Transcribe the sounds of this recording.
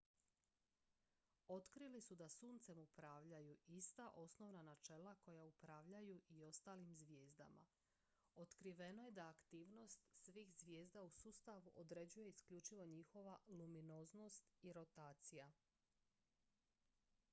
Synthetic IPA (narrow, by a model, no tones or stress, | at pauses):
o̞t̪kɾilisud̪asuːnt̪semupɾaːʋʎajuist̪aʔo̞sno̞ʋnanat͡ʃe̞lako̞jaupɾaːʋʎajuʔio̞st̪aːlimzʋje̞ːzd̪a̰ma̰ | o̞t̪kɾiʋe̞no̞je̞d̪aːkt̪iːʋno̞st̪sʋiːxzʋje̞ːzd̪ausuːst̪aʋuʔod̪ɾe̞d͡ʑuje̞iskʎut͡ʃiʋo̞ɲixo̞ʋalumino̞zno̞st̪iɾo̞t̪aːt̪sija